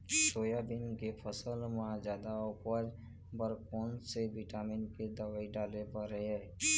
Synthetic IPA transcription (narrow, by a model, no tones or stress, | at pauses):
soːjabɪnkepʰəsəlmãd͡ʒaːd̪aʊpəd͡ʒ | bəɾkɔːnsebiʈaːminked̪əwaːiɖaːlepəɾɾəɦɛː